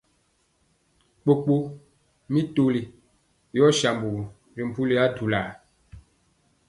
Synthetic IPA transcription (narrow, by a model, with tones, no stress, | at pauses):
k͡po˨k͡po˦ | mi˦to˦li˨ | jɔ˦ʃa˨mbu˨ | ɾi˨m̩˨pu˦li˦a˦tu˨laː˨